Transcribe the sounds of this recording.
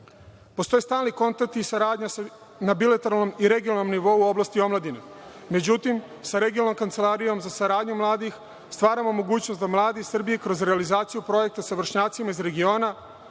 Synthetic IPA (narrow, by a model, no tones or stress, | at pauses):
po̞st̪o̞jest̪aːlniko̞nt̪ak̚t̪isaɾaːd̪ɲas | nabilat̪oɾalˠno̞miɾe̞ɡijonanomniʋo̞uo̞blˠast̪io̞mlad̪ina | me̞d͡ʑut̪im | saɾeɡiolnomkant̪se̞lˠaɾijo̞mzasaɾaːd̪ɲumlˠaːd̪ix | st̪ʋaːɾamo̞mo̞ɡuːt͡ɕnost̪d̪amlˠaːd̪isr̩bijekɾo̞zɾealizaːt̪sijupɾo̞je̞k̚t̪asaʋr̩ʃɲaːt̪simaizɾe̞ɡio̞ːna